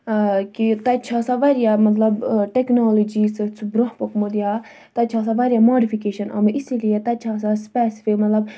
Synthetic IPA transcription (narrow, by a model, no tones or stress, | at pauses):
kit̪ɐt͡ʃʰaːsaʋɐɾijaːmɐt̪lɐbʈeknaːlod͡ʒiːst͡sʰubɾoɦpɐkmod̪ijaː | t̪ɐt͡ʃʰaːs̬aʋaːɾjamoːɖifikeːʃɐnʔɐ̰meʔisilijet̪ɐt͡ʃʰaːs̬aspɛːsi̥fimɐt̪lɐb̚